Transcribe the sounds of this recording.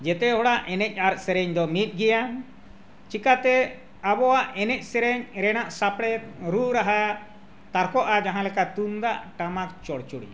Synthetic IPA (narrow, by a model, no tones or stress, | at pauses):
d͡ʒɛt̪ɛɦɔɽaʔɛnɛc̚ˀaɾsɛɾɛɲd̪ɔmit̪̚ˀɡɛjan | t͡ʃikat̪ɛ | abɔwaʔɛnɛc̚ˀsɛɾɛɲɾɛnaʔsapɽɛɾuɾaɦa | t̪aɾkɔʔad͡ʒaɦãlɛkat̪und̪aʔʈamakt͡ʃɔɽt͡ʃuɽḭ